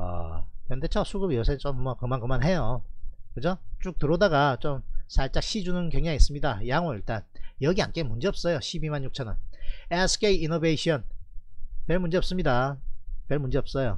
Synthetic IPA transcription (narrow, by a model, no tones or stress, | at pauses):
a̰kʌndet͡ɕʰʌsʰuɡɯbijʌsʰet͡ɕ͈omːʌkɯmankɯmanɦe̞jokɯd͡ʑot͡ɕ͈uk̚tɯɾodaɡat͡ɕomsʰaɭt͡ɕ͈ak̚ɕ͈id͡ʑunɯnkjʌŋɲaŋis͈ɯmɲidajaŋoiɭt͈anjʌɡia̰nk͈emund͡ʑiʌp̚s͈ʌjoɕʰibimanɲjuk̚t͡ɕʰʌnɯnesʰɯ̥k͈eiinobeɕʰiʌn | peɭmund͡ʑiʌp̚s͈ɯmɲidapeɭmund͡ʑiʌp̚s͈ʌjo